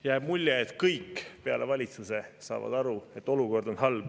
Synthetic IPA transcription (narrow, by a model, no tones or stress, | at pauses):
jæːb̥mulʲjeet̪kɤjkːpe̞ɑ̰le̞vɑlʲit̪suse̞sɑ̰ːvɑ̰d̪̥ɑɾue̞t̪ːˑo̞luko̞rd̪̥o̞nɦɑlb̥